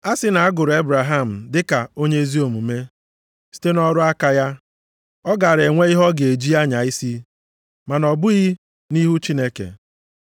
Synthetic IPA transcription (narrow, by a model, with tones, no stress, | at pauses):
a˦sɪ˦na˨a˦ɡʊ˨ɾʊ˨e˦bɾa˨ɦa˦˨m̩˨dɪ˦ka˨o˦ɲe˦zi˦o˨mu˨me˦ | si̥˦te˦nɔ˦ɾʊ˦a˦ka˦ja˦ | ɔ˦ɡa˨ɾe˨ŋʷe˦i˦ɦɔ˦ɡe˨d͡ʒi˦a˦ɲa˨i˦si˦ | ma˨nɔ˨bʊ˦ɣi˦ | ni˦ɦu˦t͡ʃi˦ne˦kḛ˨